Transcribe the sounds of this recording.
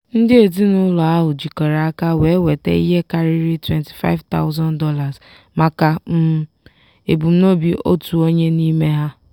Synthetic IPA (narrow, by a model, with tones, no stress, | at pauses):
n̩˦dɪ˦e˨di˦nʊ˦lɔ˨a˦ɦʊ˨d͡ʒi˨kɔ˨ɾa˨a˦ka˦we˨˦we˨tḛ˦ḭ˦ɦe˦ka˦ɾi˦ɾi˦twe˨nti̥˨fa̰˦ɪ˦vta̰˦ʊ˦zɔ˦ndɔ˦la˨z | ma˨ka˨m̩˦ | e˨bu˨m̩˦no˦bi˦ʔo̰˦tu˨o˦ɲe˦ni˦me˦ɦa˦